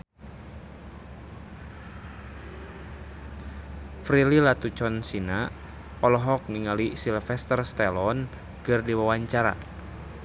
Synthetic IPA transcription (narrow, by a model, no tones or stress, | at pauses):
fɾililat̪ut͡ʃɔnsina | ɔlɔɦɔk̚ŋiŋalisilfɛst̪ərst̪ɛlɔn | kɨrdiwawaɲt͡ʃaɾa̰